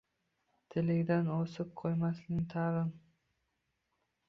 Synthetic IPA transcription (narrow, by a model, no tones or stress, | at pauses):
t̪ʰɪlɪɡd̪enosʊp̚qʰojmɑsnɪnt̪ʰɑʁən